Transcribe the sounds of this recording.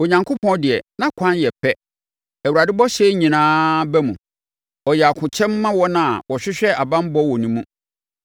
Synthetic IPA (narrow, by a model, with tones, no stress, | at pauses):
o˨ɲã˨ŋkʰo˦pʰɔ̃˦dɪ˨ɛ˨nã˦kʷʰã˦njɛ˨pʰɛ˦ | æ˨wu˨ɾa˨dɪ˦bɔ˦ɕɛ˦ɲĩ˨nãː˦bɛ˦mũ˨ | ɔ˨jɛ˨a˨kʰʊ̃˨t͡ɕʰɛ̃˦mː˦ã˦wɔ˦nã˨wɔ˨ɕᶣɪ˦ɕᶣɛ˦a˨bã˦m˦bɔ˦wɔ˨nĩ˦mũ˦